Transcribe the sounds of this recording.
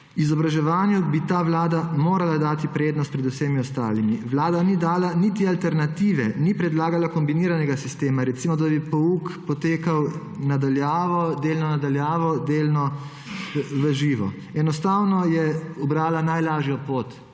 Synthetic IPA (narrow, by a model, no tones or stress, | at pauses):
izɔbɾaʒɛʋaːnjubit̪aːʋlaːd̪amoːɾalad̪aːt̪ipɾeːd̪nɔst̪̚pɾɛd̪usemiɔst̪a̰ːlimiʋlaːd̪anid̪aːlaniːt̪ialt̪ɛɾnat̪iːʋɛnipɾɛd̪laːɡalakɔmbiniːɾanɛɡasist̪eːmaɾɛt̪simɔd̪abipɔuːkpɔt̪eːkaw | nad̪aljaːʋɔd̪eːlnɔnad̪aljaːʋɔd̪eːlnɔ | ʋəʒiːʋɔ̰ | ɛnɔst̪aːwnɔjɛubɾaːlanajlaːʒjɔpoːt̪